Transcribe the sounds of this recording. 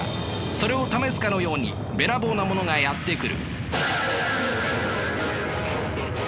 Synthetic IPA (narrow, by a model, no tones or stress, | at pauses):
so̞ɾe̞o̞t̪amesɨ̥kano̞jo̞ːɲ̟ḭ | be̞ɾabo̞ːnamo̞no̞ŋajat̪ːe̞kɯ̟ɾɯ̟̰